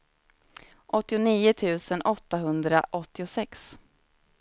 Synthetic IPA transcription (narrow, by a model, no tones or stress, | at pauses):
ʔɔt̪ːɪʊniːʊt̪ʰʉ̟ːsənʔɔt̪ːaɦɵnd̪ɾa̰ʔɔt̪ːɪʊsɛks